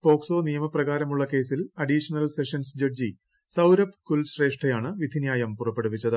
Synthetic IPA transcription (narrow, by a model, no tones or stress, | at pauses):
po̞ːkso̞ːnijɐmɐprɐɣaːɾɐmuɭːɐke̞ːsilɐɖiʂɐnɐlse̞ʂɐnsd͡ʑɐɖd͡ʑi | sɐwɾɐpːkulɕreːʂʈʰɐjaːɳɨʋid̪ʱinjaːjɐmpurɐpːe̞ɽupːit͡ɕːɐðɨ